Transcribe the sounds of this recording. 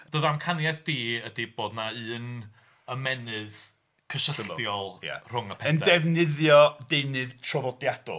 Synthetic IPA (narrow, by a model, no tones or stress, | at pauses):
d̥oːðamkʰanjaðd̥iːədib̥oːdnaɨːn | əmɛnɨð | kʰəʃəstjɔlˠja̰r̥ʊŋəpʰɛəndɛvnɨðjɔdejnɨðtʰrɔvɔdjad̥ɔ̰